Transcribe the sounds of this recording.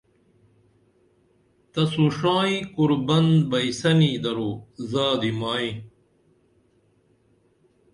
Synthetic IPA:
t̪ɐsuʂaːikuɾbɐnbɐjsɐniːd̪ɐɾoːzaːd̪imaːi

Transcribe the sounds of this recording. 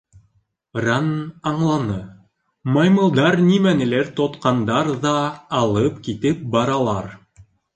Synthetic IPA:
rɑnɑɴlˠɑnɤ | mɑjmɤ̆lˠd̪ɑɾnimænɘ̆læɾt̪ot̪qɑnd̪ɑɾðɑːlˠɤpkit̪ɘp̚bɑɾɑlˠɑɾ

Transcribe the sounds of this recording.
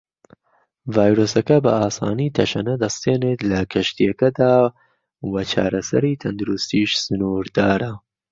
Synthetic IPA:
vaːjɾoːsɐkɐbɐ̰ʔaːsa̰ːnit̪ʰɐʃɐnɐd̪ɐst̪eːneːt̪lɐkʰɐʃt̪ijɐkɐd̪aː | wɐt͡ʃʰa̰ːɾɐsɐ̰ɾit̪ʰɐnd̪uɾust̪iːʃsɨnuɾd̪aːɾɐ

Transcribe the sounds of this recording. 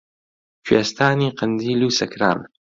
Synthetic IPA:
kʰweːst̪ʰaːniːqʰənd̪iːluːsɐkʰɾa̰ːm

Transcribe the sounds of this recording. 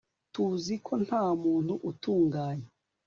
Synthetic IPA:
tuzikʰon̥haːmuːn̥huʔutuːŋɡaːɲe

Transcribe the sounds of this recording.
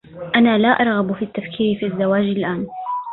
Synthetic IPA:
ʔanaːlaʔɑɾˤɣɑbfiːt̪ːafkʰiːɾɪfiazːawaːd͡ʒɪlʔaːn

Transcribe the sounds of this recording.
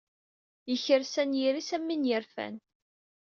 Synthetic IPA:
jəçəɾsænjiɾisæmːinjəɾfæ̰n

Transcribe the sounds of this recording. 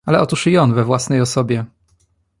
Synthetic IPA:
alɛʔɔt̪uʂɨjɔnvɛvwasnɛjɔsɔbʲjɛ

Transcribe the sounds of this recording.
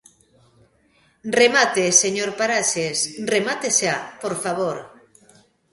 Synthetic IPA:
remat̪eseɲoɾpaɾaʃesremat̪esapoɾfaβ̞oɾ

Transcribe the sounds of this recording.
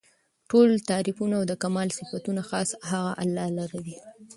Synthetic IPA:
ʈolt̪ɑɾɪfunaawd̪əkamɑlsɪfat̪unaxɑsɦaɣaʔa̰lːɑlaɾawi

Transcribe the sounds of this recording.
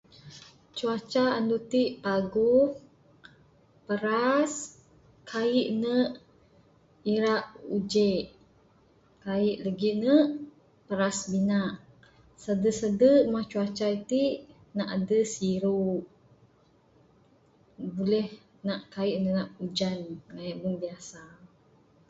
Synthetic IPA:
t͡ʃuat͡ʃaːndut̪iʔpaɡuh | pəɾas | kaiʔnəʔ | iɾaʔud͡ʒeʔ | kaiʔləɡiʔnəʔ | pəɾasbinaʔ | sədəsədəʔmat͡ʃuat͡ʃait̪iʔ | naʔadəsiɾuʔ | bulɛh | naʔkaiʔnənaʔud͡ʒanŋajaʔbəŋbiasa

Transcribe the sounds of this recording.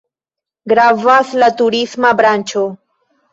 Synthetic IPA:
ɡɾavaslat̪ʊɾismabɾant͡ʃo

